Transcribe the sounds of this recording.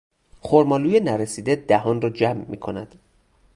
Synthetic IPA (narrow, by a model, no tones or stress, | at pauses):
xoɾmɒːluːjenæɾesiːd̪ed̪æhɒːnrɒːd͡ʒæmːḭːkʰo̞næd̪̥